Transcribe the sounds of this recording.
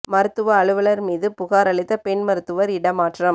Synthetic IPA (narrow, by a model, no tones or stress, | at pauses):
mɐɾɯt̪ːɯʋɐːɭɯʋɐɭɐɾmiːðɯpʊɣaːɾɐɭɪt̪ːɐpɛɳmɐɾɯt̪ːɯʋɐɾɪɽɐmaːʈrɐm